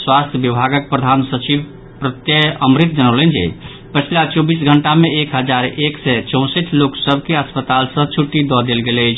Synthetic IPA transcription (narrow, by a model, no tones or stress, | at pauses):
swast̪ʰjəbjəbʱaɡək̚pɾəd̪ʱansət͡ʃib | pɾət̪jəəmɾit̪̚d͡ʒənələnd͡ʒɛ̰ | pət͡ʃʰlat͡ʃɔbisɡʱəɳʈameekɦəd͡ʒaɾeksɛt͡ʃɔ̃w̃səʈʰloksəbʱkeəspət̪alsə̃t͡ʃʰuʈːid̪ɔd̪elɡelət͡ʃʰ